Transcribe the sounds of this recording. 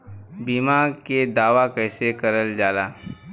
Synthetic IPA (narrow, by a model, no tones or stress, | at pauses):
biːmaːked̪aːʋakɛːsekɐɾəld͡ʒaːlaː